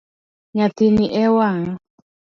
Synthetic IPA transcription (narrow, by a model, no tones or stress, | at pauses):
ɲat̪iniʔɛwaŋ